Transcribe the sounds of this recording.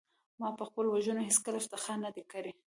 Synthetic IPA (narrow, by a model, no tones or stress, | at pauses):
mɑpəxpəlowaʒunoheskəlaʃt̪axanːad̪ekəɾe